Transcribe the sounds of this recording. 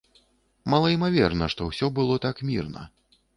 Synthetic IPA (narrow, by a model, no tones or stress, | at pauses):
malˠɐimavʲɛrnɐʂt̪ɔwsʲɔbɨlˠɔt̪akmʲirnɐ̰